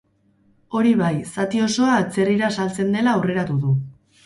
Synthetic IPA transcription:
o̞ɾiβajsat̪io̞so̞aːt͡se̞riɾasalt͡se̞nd̪e̞laure̞ɾat̪uðu

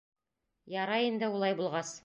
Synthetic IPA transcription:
jɑɾɑjind̪ɘulˠɑjbulˠʁɑs

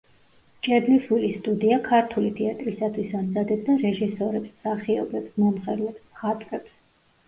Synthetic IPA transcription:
t͡ʃʼɛb̪liʃulist̪ʼud̪iakʰaɾt̪ʰulit̪ʰɛat̪ʼɾisat̪ʰwisamzad̪ɛp̚d̪aɾɛʒisɔɾɛpsmsaχiɔbɛpsmɔmχɛɾlɛpsmχat̪ʼɾɛps

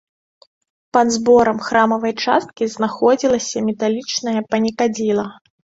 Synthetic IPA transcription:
pɐd̪zbɔɾɐmxɾamɐvɐjt͡ʂa̰st̪̚kʲiznaxɔd͡zʲilˠɐsʲɐmʲɛt̪alʲit͡ʂnɐjɐpɐnʲikad͡zʲilˠɐ

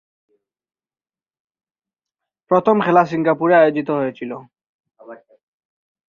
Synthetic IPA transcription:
pɹɔt̪ʰɔmkʰɛlas̬iŋɡapuɹɛajozit̪̬ɔɦojt͡ʃʰilɔ

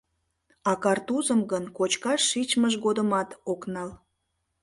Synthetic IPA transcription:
ɑkɑrt̪uzəmɡənkot͡ɕkɑʃːit͡ɕməʒɣod̪əmɑt̪oknɑl

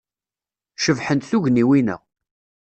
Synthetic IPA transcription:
ʃəvħənt̪θuʝniwinə̰ʁ

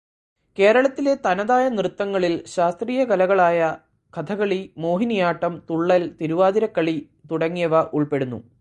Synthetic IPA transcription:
ke̞ːɾɐɭɐt̪ːilet̪ɐnɐðaːjɐnrɨt̪ːɐŋːɐɭilɕaːst̪riːjɐkɐlɐɣɐɭaːjɐ | kʰɐt̪ʰɐɣɐɭimo̞ːɦinijaːʈːɐmt̪uɭːɐlt̪iɾuʋaːðiɾɐkːɐɭi | t̪uɽɐŋːijɐʋɐʔuɭpe̞ɽunːṵ

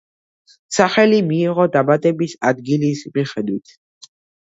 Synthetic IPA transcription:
saχɛlimiːʁɔd̪abat̪ʼɛbisa̰d̪ɡilismiχɛd̪wit̪ʰ

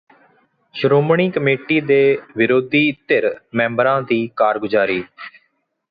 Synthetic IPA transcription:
ʃəɾoːmɳiːkəmeːʈiːd̪eːʋɪɾoːd̪iːt̪ːeɾmɛ̃ːmbəɾãːd̪iːkaːɾɡʊd͡ʒaːɾiː

